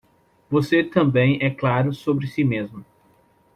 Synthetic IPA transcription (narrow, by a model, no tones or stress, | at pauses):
voset̪ɐ̃mbẽj̃ɛklaɾʊsobɾɪsimezmʊ